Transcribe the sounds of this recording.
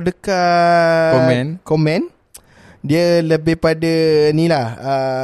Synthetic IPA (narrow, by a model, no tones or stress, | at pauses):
dəka | ɛnkomɛ̃n | diələbɪhpadənĩlahə